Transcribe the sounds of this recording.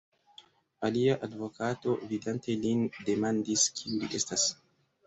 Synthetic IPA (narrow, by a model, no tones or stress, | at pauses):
aliaʔadvo̞kato̞vidante̞linde̞mandiskʰiuliʔe̞stas